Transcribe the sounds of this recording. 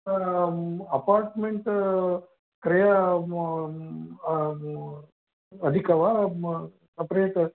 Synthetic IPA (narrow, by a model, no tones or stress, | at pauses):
ɐpaːɾʈmeɳʈ | kɾɐja | ɐd̪ʱikɐʋa | ɐpɾeːʈ